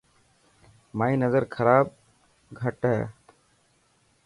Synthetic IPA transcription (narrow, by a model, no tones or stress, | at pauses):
maːĩːnəzəɾkʰəɾaːb̚ | ɡʱəʈɦɛː